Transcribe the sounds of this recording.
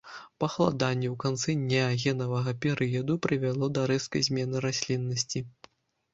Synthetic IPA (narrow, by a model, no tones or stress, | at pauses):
pɐxlˠa̰d̪anʲːɛwkant̪sɛdʲnʲaɣʲɛnɐvɐɣɐpʲɛɾʔɨjɐd̪upɾɨvʲalˠɔd̪ɐɾɛskɐjzʲmʲɛnɨɾasʲlʲinːɐsʲt͡sʲi